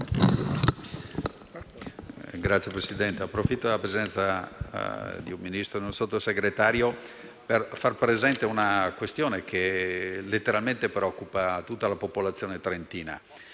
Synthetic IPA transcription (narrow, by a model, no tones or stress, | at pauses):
ɡɾat̪sːjepɾesid̪ɛnt̪eapːɾofit̪ːod̪lapɾezɛnt̪sa | d̪iummːinist̪ɾod̪iũnsot̪ːoseɡɾet̪aːɾjo | perfarpɾezɛnt̪eunakwest̪joːnek̟ʰelet̪ːeɾalment̪epɾeɔkːupat̪ut̪ːalapopolat̪sːjoːnet̪ɾent̪iːna̰